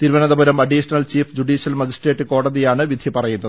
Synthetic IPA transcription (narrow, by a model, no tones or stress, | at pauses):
t̪iɾʋɐnɐðɐbɐɾɐmɐɖiːɕɐnɐlt͡ɕiːfd͡ʑuɖiːɕijɐlmɐd͡ʑisʈre̞ːʈːɨko̞ːɽɐðijaːɳɨʋid̪ʱipɐrɐjunːɐð